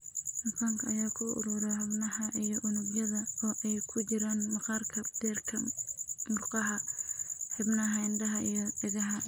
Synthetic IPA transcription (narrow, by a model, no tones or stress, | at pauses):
ħɐfaːŋkʰɐɐjaːkʰʊʔʊ̰ɾʊɾɛhɐbnɐhɐʔijɔʔʊnʊbjɐðɐɔːʔɛjkʰʊt͡ʃɪɾaːnmɑqɑrkʰɐd̪̥ɛːrkʰɐmʊrqɑɦɐ | hɪbnɐhɛnd̪ɐɦɐijɞd̪ɪɣɐɦɐ